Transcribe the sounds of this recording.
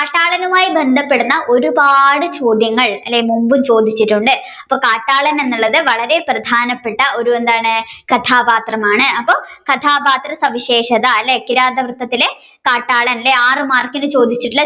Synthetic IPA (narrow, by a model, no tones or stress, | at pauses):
kaːʈːaːɭɐnumaːjibe̞nd̪ʱɐpːe̞ɽunːɐʔo̞ɾubaːɽɨt͡ɕo̞ːd̪jɐŋːɐɭɐ̰lːejmumbumt͡ɕo̞ːd̪ʱit͡ɕːiʈːuɳɖɨ | ɐpːokaːʈːaːɭɐne̞nːuɭːɐðɨʋɐɭɐɾe̞prɐd̪ʱaːnɐpːe̞ʈːɐo̞ɾue̞nd̪aːɳɨkɐt̪ʰaːbaːt̪rɐmaːɳɨɐpːo̞ːkɐt̪ʰaːbaːt̪rɐsɐʋiɕe̞ːʂɐðɐɐlːeːkːiɾaːd̪ɐʋrɨt̪ːɐt̪ːile̞ | kaːʈːaːɭɐnilːeaːrɨmaːrkinɨt͡ɕo̞ːd̪ʱit͡ɕːiʈːuɭːɐ